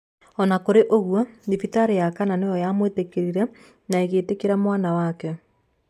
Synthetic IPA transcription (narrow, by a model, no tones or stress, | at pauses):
ɔnakoɾeʔoɣwɔdifitaɾejakananejɔjamwetekeɾiɾɛ | naeɣeːtekeɾamwanawakɛ